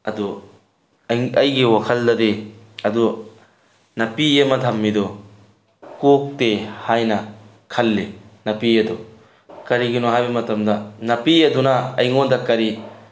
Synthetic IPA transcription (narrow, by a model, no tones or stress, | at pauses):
ɐd̪u | ɐjɡiwɔkʰɐldɐdeɐd̪u | nɐpiemɐt̪ʰɐmːidɔ | kok̚tehajnɐ | kʰɐlːinɐpied̪ɔ | kɐɾiɡinɔɦajbɐmɐtɐmdɐnɐpiɐd̪unaɐjŋɔndɐkɐɾi